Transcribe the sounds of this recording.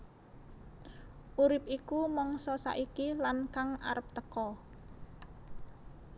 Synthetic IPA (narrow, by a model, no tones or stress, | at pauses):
ʔuɾɪpikumɔŋsɔsa̰ʔikilankaŋa̰ɾəp̚t̪əkɔ